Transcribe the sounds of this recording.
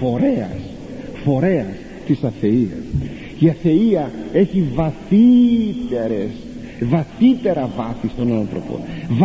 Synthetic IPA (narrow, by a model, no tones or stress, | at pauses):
o̞ɾeɐ̰s | fo̞ɾe̞ɐs | t̪isɐθe̞iɐ̰s | iɐθe̞iɐe̞çivɐθit̪eɾes | vɐθit̪e̞ɾɐvɐθist̪o̞nɐnθɾo̞̰po̰nv